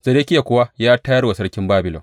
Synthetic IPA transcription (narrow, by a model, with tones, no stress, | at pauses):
z̥ɐ˨e˦kʲɪ˦ja˨kʷʊ˦wa˦jaː˦tɐ˦jɐ˦rwa˨sɐ˦ɽkʲɪ˦mbaː˦bɪ˨lo̰˨